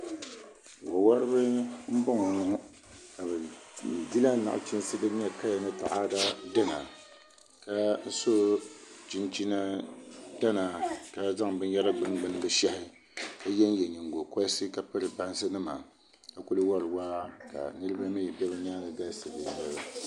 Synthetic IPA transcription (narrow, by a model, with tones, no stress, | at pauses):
wa˨wa˦ɾɨ˦bɨ˦m̩˦bo˦ŋo˨nɨ˨ŋ˦ | ka˨bɛ˨di˦la˦na̰˨ʔt͡ʃi˦n˦sɨ˦dɨ˦ɲɛ˦ka˦ja˨nɨ˦ta̰˨ʔa˦da˦da˦na˨ | ka˦n̩˦so˦t͡ʃi˦nt͡ʃi˦na˦da˦na˨ka˦za˦ŋbɨ˦n˦jɛ˦ɾa˦ɡ͡bɨ˦n˦ɡ͡bɨ˦nɨ˦bɨ˨ʃa˦hɪ˦ | ka˦jɛ˦n˦jɛ˨ɲi˨ŋɡo˨ka˦sɨ˦ka˨pɨ˦ɾɨ˨ba˦n˦sɨ˦nɨ˦ma̰˨ | ka˨ku˦lɨ˦wa˦ɾɨ˨waː˦ka̰˨nɨ˦ɾɨ˦ba˦mi˦jɛ˨bɛ˦bɛ˦ɲaː˦lɨ˨ɡa˦sɨ˨lɨ˨ɲɛ˦ba˦